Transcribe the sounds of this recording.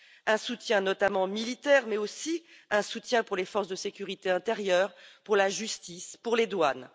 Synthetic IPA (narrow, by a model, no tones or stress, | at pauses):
ɛ̃sut̪jɛ̃nɔt̪amɑ̃milit̪ɛʁmɛosiɛ̃sut̪jɛ̃puʁlefɔʁsd̪əsekʲyʁit̪eɛ̃t̪eʁjœːʁpuʁlaʒyst̪ispuʁled̪wan